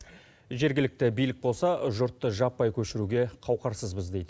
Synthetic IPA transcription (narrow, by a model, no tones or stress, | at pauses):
ʒe̞ɾɡʲɪlɪk̚t̪ɪbijlɪk̚bo̞lˠsɑʒʊɾt̪ːəʒɑpːɑjkʲʰɵʃɪɾuɡʲe̞qʰɑwqɑɾsəzbɪzd̪e̞jd̪ɪ